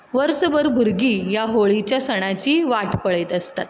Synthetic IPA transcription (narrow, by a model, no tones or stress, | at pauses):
ʋəɾsəbəɾbʱuɾɡijaɦoɭit͡ɕjasəɽ̃at͡ɕiːʋaʈpəɭet̪əst̪at̪